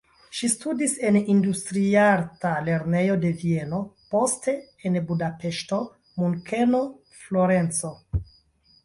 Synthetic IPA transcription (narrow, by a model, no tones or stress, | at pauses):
ʃistudise̞nindustɾiaɾtale̞ɾne̞jo̞de̞vie̞no̞po̞ste̞ | enbudape̞ʃto̞ | muŋkʰe̞no̞ | flo̞ɾe̞nt͡so̞